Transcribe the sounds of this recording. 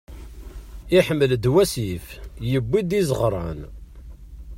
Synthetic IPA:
iħəmːəld̪wæsifjəbːid̪izəʁɾˤɑ̰n

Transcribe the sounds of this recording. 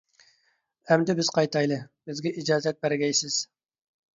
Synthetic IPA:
ɛmd̪ɪbɪz̥qʰɑjt̪ʰɑjlˠɨbɪzɡʲɛʔid͡ʒɑːzɛk̪̚bæɾɡʲɛjsɪz̥

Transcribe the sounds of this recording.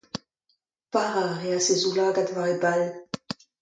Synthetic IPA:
paʁaʁeasezulaːɡad̪vaʁebal

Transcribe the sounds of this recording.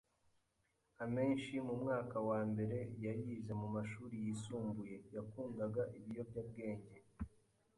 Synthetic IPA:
ame̞ːnʃimumŋaːkawaːmbe̞ɾe̞jajiːze̞mumaʃuːɾijisuːmbuje̞jakuːŋɡaɡaʔiβijo̞bɟab̚ɡe̞ːɲɟe̞

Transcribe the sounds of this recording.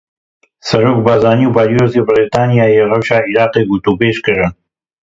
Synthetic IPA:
sɐɾoːkbaːzaːniwbaːɾjoːzibɾit̪aːnijaːjerɐwʃaːiɾɑːqiɡut̪ubeːʃkɨɾɨn

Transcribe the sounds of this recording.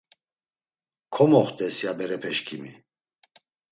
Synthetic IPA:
kʰɔmɔχt̪ʰʼɛsjabɛɾɛpʰɛʃkʰimi

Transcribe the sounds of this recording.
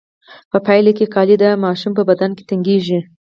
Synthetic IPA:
pəpajlekekɑlid̪amɑʃumpəbad̪anke̥t̪aŋɡeʒi

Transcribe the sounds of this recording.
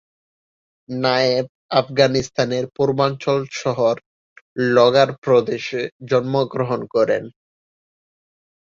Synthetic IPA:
naeb̚afɡanist̪aneɾpuɾbant͡ɕolʃɔɦoɾ | lɔɡaɾpɾod̪eʃd͡ʑɔnmoɡɾoɦonkɔɾḛn

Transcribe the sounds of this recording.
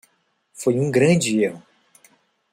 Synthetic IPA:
fojũɡɾɐ̃d͡ʒɪeɦʊ

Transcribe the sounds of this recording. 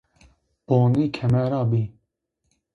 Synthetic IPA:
b̥oːniːkʰɛmɛɾɑːbiː

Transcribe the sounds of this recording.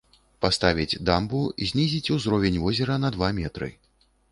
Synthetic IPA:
past̪avʲid͡zʲd̪ambuizʲnʲizʲit͡sʲuzɾɔvʲenʲvɔzʲɛɾɐnɐd̪vamʲɛt̪ɾɨ̰

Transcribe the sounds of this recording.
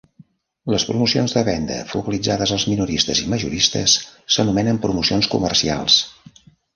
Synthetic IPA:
ləspɾumusionzðəβɛnd̪ə̰fukəlid͡zaðəzəlˠzminuɾist̪əziməʒuɾist̪ə̰sːənumɛnəmpɾumusionskṵmə̰rsia̰lˠs

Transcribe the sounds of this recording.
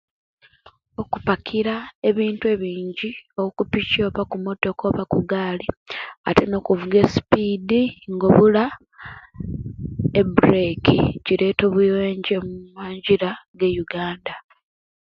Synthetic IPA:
o̞ku̥pakʰiɾae̞βiːntue̞βiːɲɟio̞ukupico̞ːβakumo̞to̞kʰo̞βakuɡaːlia̰teno̞ːkuvuɡe̞si̥piːdiŋɡoβula | ebuɾekḭɟiɾe̞ːto̞ːβuiweːɲɟemumaːɲɟiɾaɡe̞juɡaːnda

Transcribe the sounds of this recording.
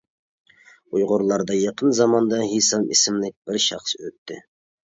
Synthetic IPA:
ujʁʊɾlˠɑɾd̪ɑjɑqʰənzɑmɑnd̪ɑɦisɑnḭsɪmlɪk̚ʲbɪɾʃɑχsøt̪ʰːɪ

